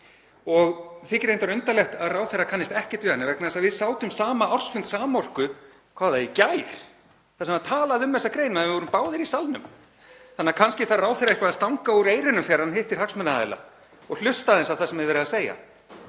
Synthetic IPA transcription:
ɔɣθɪcɪɾejnt̪aɾʏnt̪alɛxt̪aðraːwθɛrːakʰanːɪst̪ɛhcɛ̥t̪vɪhanːɪvɛknaðɛsaðvɪðsaːwt̪ʏmsaːmaawr̥sfʏnt̪saːmɔr̥kʏ | kʰvaːðaicaːjɾ̥ | θasɛmat̪ʰaːlaðʏmːvɛsːakɾeːjnmaðvɪvɔɾʏmpaːwðɪɾisalnʏ̰m | θanːaɾkʰanscɪθaðraːwθɛɾaehkvaðast̪awŋkauɾeːjɾɪnʏmfɛɾanhɪht̪ɪɾ̥haksmɛnaa̰jla̰ | ɔɣl̥ʏst̪aðɛnsavθasɛmɪðvɛːɾɪðaseːja̰

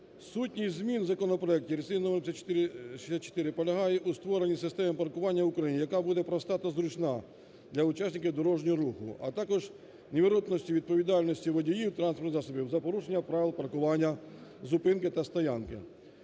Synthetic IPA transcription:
sutʲnʲijzmʲinzɐkɔnɔpɾɔɛk̚tʲiɾʲesʲijnɔmrsʲʃi̥sʲat̪t͡ʃːo̥t̪ɪɾɪpɔlʲɐɦɑjɛʔust̪ʋɔɾenʲisɪst̪ɛmɛmpɐrkʊʋɑnʲːɐwʊkɾɐjinʲijɐkabud̪ɛpɾɔst̪ɑt̪ɐzɾʊt͡ʃna | d̪lʲɐʊt͡ʃasʲnʲɪkɪd̪ɔɾɔʒnʲɔɾuxʊ̰ɐ̰t̪ɑkɔʒ | nʲeʋʲiɾɔt̪nɔsʲtʲiʋʲid̪̚pɔʋʲid̪ɑlʲnɔsʲtʲiʋɔdʲijiwt̪ɾɑnspɔɾzɑsɔbʲiwzɐpɔɾuʃenʲːɐpɾɑʋʲɪlˠpɐrkʊʋɑnʲːɐzʊpɪnkɪt̪ɐst̪ɐjɑnkɪ̰

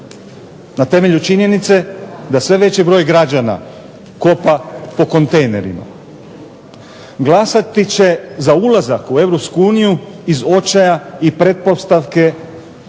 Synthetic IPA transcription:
nat̪e̞me̞ʎut͡ʃiɲje̞nit̪se̞d̪asʋe̞ʋe̞t͡ɕibɾo̞jɡɾad͡ʑana̰ | ko̞papo̞ko̞nt̪ejne̞ɾḭma̰ | ɡlˠasat̪it͡ɕe̞zaulˠazakue̞ʋɾo̞pskuuːniju | izo̞t͡ʃajaipɾe̞t̪̚po̞st̪aʋke̞

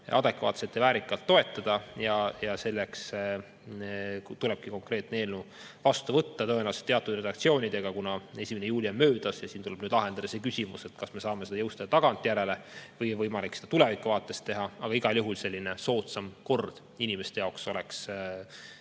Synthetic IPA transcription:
ʔɑd̪̥e̞kvɑ̰ːt̪se̞t̪ːevæːɾikːˑɑlt̪ːo̞e̞t̪ːˑɑd̪̥ɑjɑjɑse̞lːeks | t̪ulɛb̥̚kiko̞ŋkre̞ːt̪neeːlnu | vɑst̪uvɤt̪ːɑt̪onɑst̪eɑt̪ːˑud̪̥re̞d̪ɑk̚t̪sio̞ːnʲid̪e̞ɡ̥ɑkunɑesʲimenejuːlʲiemːøːd̪̥ɑsjɑsiːnt̪ulɛb̥nyːd̪lɑɦe̞nd̪̥ɑd̪̥ɑse̞ːkysʲimuse̞t̪kɑsme̞sɑːmesed̪ɑjɤwst̪ɑd̥̪ɑt̪ɑɡ̥ɑnt̪ˑːijæɾe̞levɤjvɤjmɑliksed̥̪ɑt̪ulevikːˑuvɑːt̪ːˑe̞st̪ːe̞ɦɑɑɡɑiɡ̥ɑljuɦulse̞lʲːine̞so̞ːt̪sɑmko̞rd̪̥ | inimest̪ejɑwkso̞leks

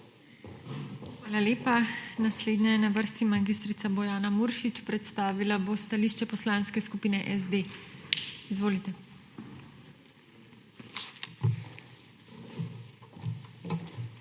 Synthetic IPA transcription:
xʋaːlaleːpanasleːd̪najɛnaʋəɾst̪imaɡist̪ɾit̪sabɔjaːnamuɾʃit͡ʃpɾɛt̪st̪aːʋilabost̪aliːʃt͡ʃɛpɔslanskɛskupiːnɛʔɛzd̪e | izʋoːlit̪ɛ

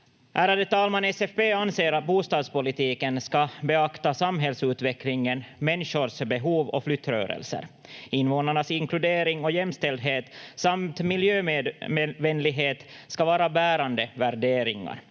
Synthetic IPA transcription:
ʔæːɾad̪ɛt̪ɑːlmanɛsɛfbeːɑnseːɾat̪̚buːst̪ɑːd̪spʊlɪt̪iːkənskɑbɛɑkt̪asamɦɛlsʉ̟ːt̪vɛklɪŋənmɛnʂʊɾʂbɛɦuːvɔ̰flʏt̪ːɾœ̰ːɾɛ̰lsə̰ɾ | ɪnːvoːnaɳasɪŋklʉd̪eːɾɪŋɔjɛmːst̪ɛld̪ɦeːt̪samt̪mɪljøːmː | vɛnlɪɡɦeːt̪skɑvɑːɾabæːɾand̪əvæɾɖeːɾɪŋa̰ɾ

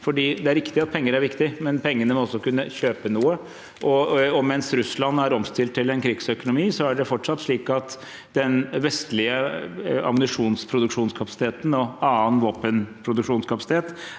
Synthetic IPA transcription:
fɔɖiːd̪ɛæɾʋɪkt̪ɪɑt̪̚pʰɛŋːəɾæɾʋɪkt̪ɪmɛnpʰɛŋːənəmɔɔsːɔkʉnːəçøːpənuːə | ʔɔɔmɛnsɾʉslɑnːæɾɔmst̪ɪlt̪ʰːɪlɛnkʰɾɪɡsœkʊnʊmiːsɔæɖɛfɔʈʂɑt̪ːʂɭiːkɑt̪ | d̪ɛnʋɛst̪lɪəɑ̰mənɪʂuːnspʰɾʊd̪ʉkʂuːnskʰɑpɑsɪ̥t̪ʰeːt̪n̩ɔɑːənʋoːpənpʰɾʊd̪ʉkʂuːnskʰɑpɑsɪt̪ʰeːt̪

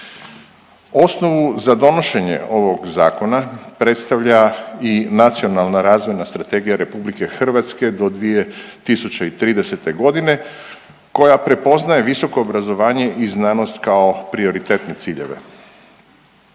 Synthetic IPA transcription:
o̞sno̞ʋuzad̪o̞no̞ʃe̞ɲḛo̞ʋo̞ɡza̰ːko̞napɾe̞t̪st̪aʋʎainat̪sio̞nalˠnaɾaːzʋonast̪ɾat̪e̞ːɡijaɾe̞publike̞xr̩ʋat̪ske̞d̪o̞d̪ʋije̞t̪isut͡ɕeit̪ɾiːd̪ese̞t̪e̞ɡo̞d̪ine̞ | ko̞japɾe̞po̞znaje̞ʋiso̞ko̞ːbɾazo̞ʋaːɲe̞ʔiznaːno̞st̪kao̞pɾio̞ɾit̪e̞ːt̪ne̞t̪siːʎe̞̰ʋe̞̰

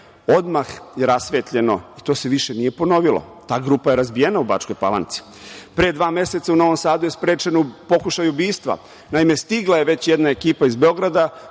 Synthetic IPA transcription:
o̞d̪maxjeɾasʋeːt̪ʎe̞no̞̰it̪o̞ːse̞ʋiʃenije̞po̞no̞ʋilˠo̰ | t̪aːɡɾuːpaje̞ɾazbijenauba̰t͡ʃkojpa̰lˠa̰nt̪si̥ | pɾed̪ʋaːme̞se̞t̪sauno̞ʋo̞msaːd̪ujespɾe̞ːt͡ʃenoupo̞kuʃajubiːst̪ʋa̰ | naime̞st̪iɡlˠaje̞ʋe̞t͡ɕjed̪naekiːpaizbeo̞ɡɾad̪a

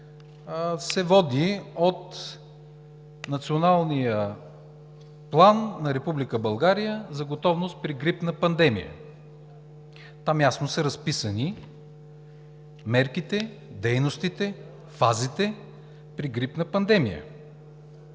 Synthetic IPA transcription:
sɛvɔd̪iot̪ | nɐt̪sionalˠnijə | plˠanːɐɾɛpublikəbɐlˠɡaɾijəzɐɡot̪ɔvnost̪̚pɾiɡɾipnəpɐnd̪ɛmḭjə̰ | t̪amjasnosəɾɐspisəni | mɛɾkit̪ɛ | d̪ɛjnost̪it̪ɛ | fazit̪ɛ | pɾiɡɾipnəpɐnd̪ɛmijə̰

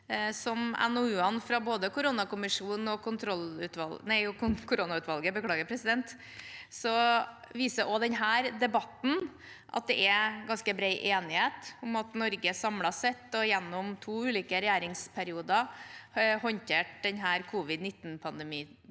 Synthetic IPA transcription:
sɔmɛ̰nɔʉːɑnfɾɑboːd̪əkʊɾuːnɑkʊmɪʂuːnn̩ɔkʰʊnt̪ʰɾɔlʉːt̪ʋɑ̰lnæɪʊkʊkʰʊɾuːnɑʉːt̪ʋɑlɡəbəkʰlɑːɡəɾpʰɾɛsɪd̪ɛnt̪ | sɔ | ʋiːsəɾʔɔd̪ɛnɦæːɾd̪ɛbɑt̪n̩ | ʔɑ̰t̪̚d̪ɛʔɛɡɑnskəbɾɛɪʔeːnɪheːt̪ʊmɑt̪nɔɾɡəsɑmlɑsɛt̪ːɔjɛnːʊmt̪ʰuːʉːliːkəɾɛjæːɾɪŋspʰæɾɪuːd̪ɑ | hɔnt̪ʰeːʈ̚d̪ɛnɦæːɾkʰuːʋɪd̪nɪt̪ːnpʰɑnd̪ɛmiː

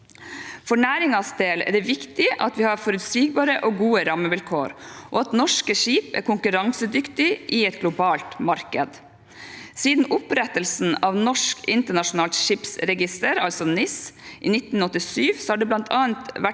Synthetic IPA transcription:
fɔɳæːɾɪŋɑsd̪eːlæ̰ːɖ̪ɛʋɪkt̪ɪʔɑ̰t̪ʋɪːhɑːɾfɔɾʉt̪siːɡ̚bɑːɾəʔoːɡuːəɾɑməʋɪlkʰoːɾʔo̰ːɑt̪nɔʂkəʂiːpæ̰ːɾkʰʊŋkʉɾɑŋsəd̪ʏkt̪ɪʔiɛt̪̚ɡlʊbɑːlt̪mɑɾkəd̪ | siːd̪n̩ʔʊpɾɛt̪əlsn̩ɑːʋnɔʂkɪnt̪əɳɑʂʊnɑːlt̪ʃiːpsɾɛɡɪst̪əɾɑlsɔnɪsʔḭːnɪt̪n̩ɔt̪ːɪsyːʋsɔhɑːɖɛblɑnt̪ʰɑːənt̪ʋæ

